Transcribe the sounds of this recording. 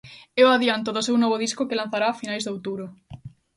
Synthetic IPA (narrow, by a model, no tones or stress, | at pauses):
eoaðjant̪oðosewnɔβoðiskokelãn̟θaɾaːfinajzðowt̪uβɾo